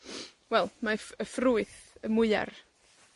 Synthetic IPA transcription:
wɛlˠmafəfruːɨθəmʊɨa̰r

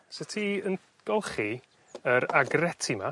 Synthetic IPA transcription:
sətʰiən | ɡ̥ɔlˠχi | əɾaɡrɛtʰima

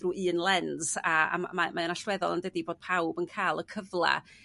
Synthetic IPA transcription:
ruʔɨːnlˠɛnz̥aa̰mmamaənaɬwɛðɔ̰lˠəndədiboːd̥̚pʰawbənkʰaːlˠəkʰəvlˠa̰

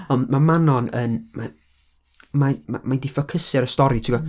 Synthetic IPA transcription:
ɔndmamanɔnənma | mamamajdɪfɔkʰəsɛɾəstɔɾitʰiɡɔ

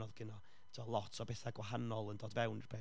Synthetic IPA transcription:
ɔðɡ̥ənɔ | tʰiɔlˠɔtʰɔbɛθaɡwaɦanɔlˠəndoːdvɛwnərb̥e

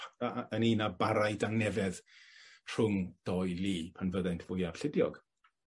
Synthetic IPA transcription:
əninabaɾajdaŋnɛvɛðtʰr̥ʊŋd̥ɔjliːpʰanvəðɛntʰvʊjav̥ɬɪdjɔɡ̥

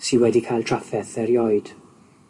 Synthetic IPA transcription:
sinwɛdikʰajlˠtʰr̥afɛθɛɾjɔɨd̥

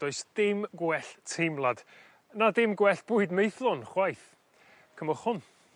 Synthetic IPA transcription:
d̥ɔɨsd̥ɪmɡwɛɬtʰejmlˠad̥ | nadɪmɡwɛɬb̥ʊːɨdmejθlˠɔnχwajθ | kʰəmɔχhʊn

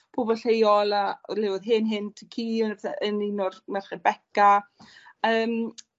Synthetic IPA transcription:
b̥ʰʊbɔlɬejɔlˠalɪwʊðɦɪnɦɪntʰəkʰiːɔnatʰaʔəninɔrmɛrχɛbɛka | əːm

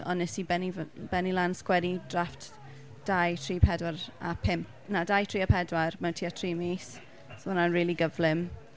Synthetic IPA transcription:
ɔ̰nːɛsibɛnivb̥ɛnilanskwɛdidraft | d̥ajtʰriːpʰɛdwaɾa̰pʰɪmp̚ | nadajtʰr̥iːapʰɛdwarmɛntʰiːatʰriːmeːs | sonanriːliɡəvlɪm

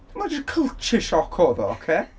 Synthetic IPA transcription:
mad͡ʒəkʰəlˠt͡ʃʰɪʃɔkʰɔðɔokʰeː

